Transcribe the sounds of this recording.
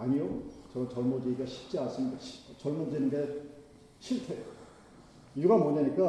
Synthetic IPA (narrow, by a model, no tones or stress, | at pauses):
aɲijot͡ɕʌt͡ɕʌɭmond͡ʑiiɡaɕʰi̥p̚t͡ɕ͈ians͈ɯnidaɕt͡ɕʌɭmund͡ʑinɯnde | ɕʰiɭtʰejo | juɡamoɲaɲik͈a